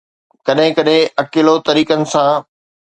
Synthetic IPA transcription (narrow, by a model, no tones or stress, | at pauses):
kɐɗɦɪ̃kɐɗɦɪ̃ɐkɪlot̪ɐɾiːkənɪ̆sã